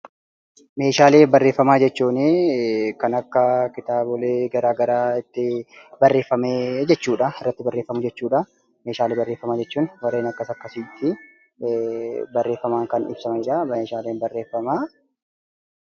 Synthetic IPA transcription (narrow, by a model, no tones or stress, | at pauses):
me̞ːʃaːleːbɐrːe̞ːfːɐmaːd͡ʒɛt͡ʃːuːnɪkɐnɐkːɐkɪt̪aːbɔleːɡɐɾaːɡɐɾaːɪt̪ːɪbɐrːe̞ːfːɐmeːd͡ʒɛt͡ʃːuːᶑɐɪrːɐt̪ːɪbɐrːeːfːɐmʊd͡ʒɛt͡ʃːuːᶑɐ | meːʃaːleːbɐrːe̞ːfːɐmaːd͡ʒɛt͡ʃːuːnwɐɾe̞ːnɐkːɐsɐkːɐsiːt̪ːɪ | bɐrːe̞ːfːɐmaːŋkɐnɪ̰b̥sɐmɐɪᶑɐbːʃaːleːnbɐrːe̞ːfːɐmaː